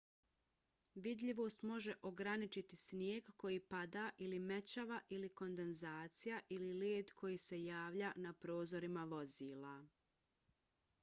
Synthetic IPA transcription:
ʋid̪ʎiʋo̞ːst̪mo̞ʒe̞ʔo̞ɡɾanit͡ʃit̪isnjeːɡko̞jiːpad̪aʔilimet͡ɕaʋaʔiliko̞nd̪e̞nzaːt̪sijaʔilileːd̪kʰo̞jiːse̞jaːʋʎanapɾo̞ːzo̞ɾimaʋo̞ziːlˠa

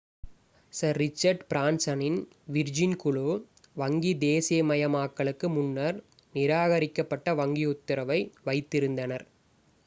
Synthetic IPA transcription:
sɐɾːɪt͡ʃːɐɾɖpɾaːnsɐnɪn | ʋɪɾd͡ʒɪnkʊɭoː | ʋɐŋɡid̪eːsɪjɐmɐjɐmaːkːɐɭɯkːɯmʊnːɐɾ | nɪɾaːɣɐɾɪkːɐpːɐʈːɐʋɐŋɡiʊt̪ːɪɾɐʋɐɪʋɐɪt̪ːɪɾɯnd̪ɐnɐɾ

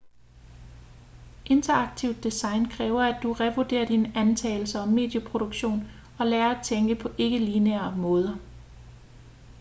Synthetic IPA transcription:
ʔe̝nt͡sʰɐɑ̈ɡ̥̚t͡sʰiʊ̰d̥ːisɑ̈ɪnkʰʁɛːʊɐæd̥uʁɛʋod̥e̝ːɐd̥inænt͡sʰɛ̰ːɪl̩sɐɒ̽mːe̝d̥jəpʰʁo̝ɾ̥oɡ̥ɕo̝̰ːn | ɒ̽lɛːɐæt͡sʰeŋɡ̥əpʰɒ̽ʔe̝ɡ̥əlineɐmɔ̽ːð̞ˠɐ

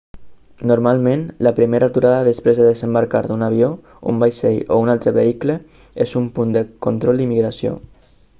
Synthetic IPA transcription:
nuɾmalˠmẽnləpɾimeɾat̪uɾaðəðəspɾezðəðəzəmbaɾkaɾðunaβio | ṵmbajseʎo̰unalˠt̪ɾəβeiklə | ezumpund̪əkont̪ɾɔlˠd̪imiɣɾasio̰

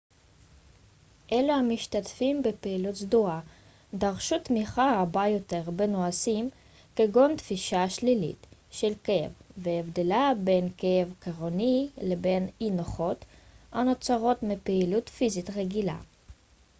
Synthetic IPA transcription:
ʔelehamiʃtatfimbepeilutzdua | daʁʃut̪miχaʁabajo̞te̞ʁbenoasim | keɡo̞ntfiʃaʃlilḭtʃelkḛvveevde̞labe̞nkeevkaʁonile̞be̞ninoχo̞tano̞t͡saʁo̞tmipeilutfizit̪ʁeɡila̰

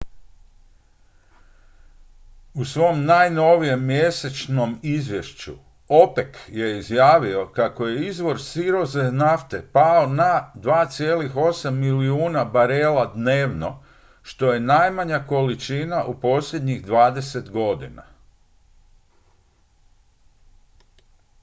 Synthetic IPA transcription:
usʋo̞mnajno̞ʋije̞mːje̞se̞t͡ʃno̞mizʋje̞ʃt͡ɕṵ | o̞pe̞kje̞izjaːʋio̞kako̞je̞izʋo̞ɾsiɾo̞zenaft̪e̞paonad̪ʋaːt̪sije̞ːlixo̞samːiliuːnabaɾelad̪ne̞ːʋno̞̰ | ʃt̪o̞je̞najmaɲako̞lit͡ʃinaʔupo̞sʎʲe̞d̪ɲiɣd̪ʋaːd̪e̞se̞t̪ɡo̞d̪ina̰

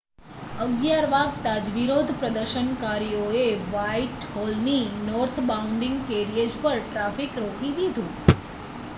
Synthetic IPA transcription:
əɡjaɾʋaɡ̚t̪ad͡ʒʋiɾod̪ʱpɾəd̪əɾʃənkaɾijoeʋaiʈholninɔɾt̪ʰbauɳɖĩŋɡkeɾiəd͡ʒpəɾʈɾafikɾokid̪id̪ʱũ

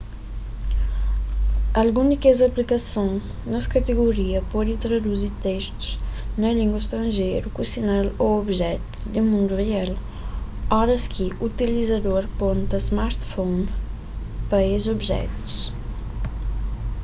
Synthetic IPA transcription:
ɐlɡund̪ikezɐplikɐsõŋ | nɐskɐt̪eɣuɾiɐpɔd̪it̪ɾɐd̪uziɾt̪eʃt̪u̥znɐliŋɡwɐʃt̪ɾɐ̃nʒejɾukusinaloobʒɛt̪u̥d̪emũnd̪uʁeal | ɔɾɐskʰiut̪ilizɐd̪oɾpont̪ɐzmaɾt̪fon | pɐezobʒɛ̰t̪u̥s

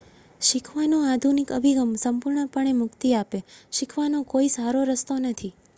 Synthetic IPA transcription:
ʃikʰʋanoad̪ʱunikə̰bʱiɡəmsəmpuɾɳəpəɳ̃emʊkt̪iapeʃikʰʋanokoisaɾoɾəst̪onət̪ʰi

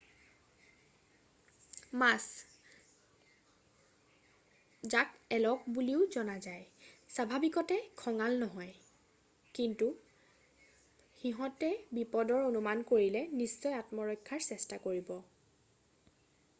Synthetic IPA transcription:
mas | zakɛlɔk̚buliʊzɔnazajsabʱabikɔtɛkʰɔŋalnɔɦɔj | kintu | xiɦɔtɛbipɔdɔɹonumankoɹilɛnisːɔjatmɔɹɔjkʰːaɹsɛstakoɹibɔ

